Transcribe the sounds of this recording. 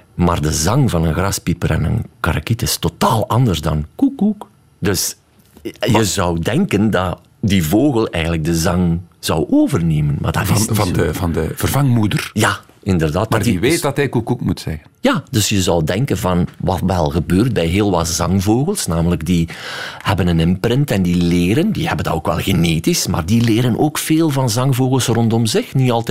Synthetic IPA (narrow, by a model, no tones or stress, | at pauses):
ma̰ːrdəzɑŋvɑnənɣrɑspipəɾɛ̰nə̰nkaɾa̰kitɪstotaːlˠʔɑndərzdɑnkukːuk | dɵs | jəzɔwdɛŋkəndɑ | divoːɣəlˠɛjɣən̩lək̚dəzɑŋz̥ɔwʔoːvərneːmənma̰ːrdaɑdəvɑndəvərvɑŋmudərjaː | ɪndərdaːt̚maːriʋeːtdɑtɦɛjkukukmutsɛɣənjaːd̥ɵsjəzɔwdɛŋkənvɑnʋɑtʋɛlˠɣəbøːrt̚bɛjɦeːlˠʋɑtz̥ɑŋvoːɣəlˠsnaːmələɡdihɛbənənɪmprɪntɛndileːɾəndihɛbənda̰oːkʋɛ̰lˠɣeneːtisma̰ːrdileːɾənʔoːkfeːlˠvɑnzɑŋvoːɣəlˠsrɔntɔmzɪxniɑlˠt